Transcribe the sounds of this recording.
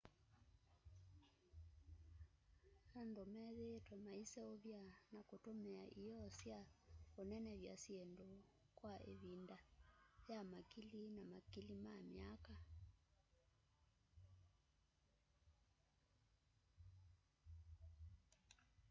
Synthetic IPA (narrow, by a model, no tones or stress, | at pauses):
nandomɛðetwamaisɛoβjanakotomɛa̰ʔijɔsjaonɛnɛβja̰siendo | kwaʔḛβindajamakilinamakilimamiaka